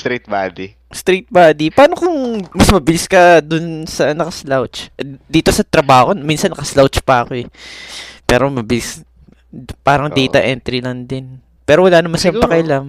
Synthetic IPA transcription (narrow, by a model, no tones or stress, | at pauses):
st̪ɾit̪̚bad̪i | st̪ɾit̪̚baːd̪ipaːnokʊŋmɐsmɐbɪlɪskɐd̪ʊnsɐnɐkɐslawt͡ʃd̪iːt̪o̞sɐt̪ɾɐbaːhokonminsɐnːɐkɐslawt͡ʃpɐɐko̞ɛ | pɛ̰ːɾo̞mɐbɪlɪs | paːɾɐŋd̪ɛjt̪ɐʔɛnt̪ɾilɐnd̪ɪn | pɛːɾowɐlaːnɐmanʃɪɐpɐkɐʔɪlam